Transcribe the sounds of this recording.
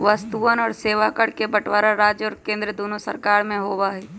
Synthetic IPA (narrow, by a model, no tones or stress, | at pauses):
ʋəst̪uənɔːɾseːʋakəɽkebəʈwaːɾaɾaːd͡ʒjəɔːɾkẽːnd̪ɾəd̪oːnusə̰ɾkaːɾmẽɦoːbaɦiː